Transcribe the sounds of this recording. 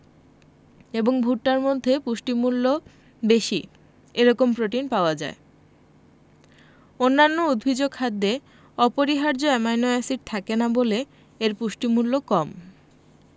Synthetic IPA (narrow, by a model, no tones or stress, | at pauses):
eboŋbʱuʈːaɾmod̪ʱːepuʃʈimulːo | beʃi | eɾɔkompɾoʈinpaoad͡ʑa̰e | onːanːoud̪bʱid͡ʑoɡ̚kʰad̪ːe | ɔpoɾiɦaɾd͡ʑoɛmajnoasiʈ̚t̪ʰakenabole | eɾpuʃʈimulːokɔm